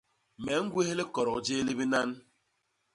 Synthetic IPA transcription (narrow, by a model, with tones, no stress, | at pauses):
mɛ˨˦ŋ̩˦ɡwe˦he˦le˦kɔ˨ɾɔ˨d͡ʒe˦li˦bi˦na˦n